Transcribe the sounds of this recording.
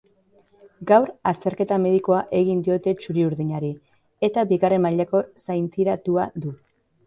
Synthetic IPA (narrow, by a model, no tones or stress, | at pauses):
ɡawɾast̪e̞ɾke̞t̪ame̞ðiko̞aʔe̞ɣind̪io̞t̪e̞t͡ʃuɾiuɾðiɲaɾi | et̪abiɣare̞maʎako̞sajnt̪iɾat̪uad̪u